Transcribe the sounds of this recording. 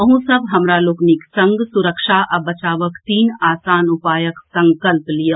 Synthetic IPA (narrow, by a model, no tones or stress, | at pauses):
ɐɦũsɐbɦɐmɾaloːkniksɐ̃ŋɡsʊɾəkʃaʔɐbɐt͡ʃaːʋəkt̪iːnaːsaːnʊpaːjəksɐ̃ŋkəlplijə